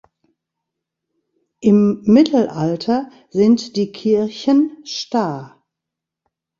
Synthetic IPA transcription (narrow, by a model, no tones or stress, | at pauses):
ʔɪmːɪtʰl̩ʔaltʰɐ | zɪntd̥iːkʰɪɐçənʃtaɐ